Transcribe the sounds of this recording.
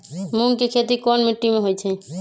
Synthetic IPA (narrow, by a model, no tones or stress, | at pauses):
munkekʰet̪ikɔnmiʈːimeɦojt͡ʃʰɛ